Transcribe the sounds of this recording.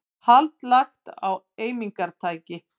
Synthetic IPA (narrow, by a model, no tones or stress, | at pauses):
halt̪laxt̪aw | eːjmiŋkaɾ̥t̪ʰaːjcɪ